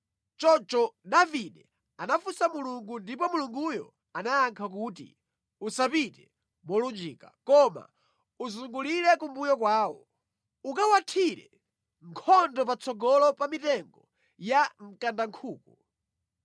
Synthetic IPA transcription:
t͡ʃɔt͡ʃɔdaviɗɛ | anafusamuluŋɡundipɔmuluŋɡujɔ̰ | anaaŋkʰak̬utḭ | usapitɛ | mɔlund͡ʒiːka̰kɔma̰ | uzuŋɡuliɾɛkumbujɔk̬waːwɔ | ukawatʰiɾɛ̰ | ŋkʰɔndɔpat͡sʰɔɡɔlɔpamitɛŋɡɔ | jam̩kandaŋkʰuːku

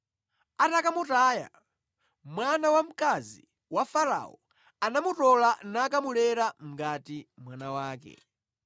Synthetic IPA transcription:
atakamutaːja̰ | mwanawam̩kazḭ | wafaɾa̰ɔ | anamutɔlanakamulɛɾam̩ɡatimwanawaːkɛ̰

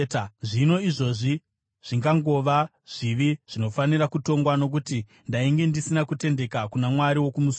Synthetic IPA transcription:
ʐino̞iʐo̞ʐi | ʐ̥iŋɡaŋɡo̞ʋa | ʐ̥iʋiʐ̥ino̞fanirakuto̞ŋɡwano̞k̬uti | ndaiŋɡe̞ndisinakute̞nde̞kakunamwaɾiwo̞kumus

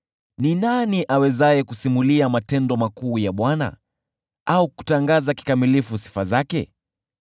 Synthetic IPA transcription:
ninaniʔawɛzajɛkusimuliamatɛndɔmakuːjaɓwana̰ | auku̥taŋɡazaki̥kamilifusi̥fazakɛ̰

